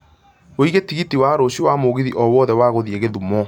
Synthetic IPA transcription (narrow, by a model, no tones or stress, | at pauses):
oiɣetiɣitiwaːɾoɕiwamoɣiðiʔɔwɔðɛwaɣoðieɣeðumɔ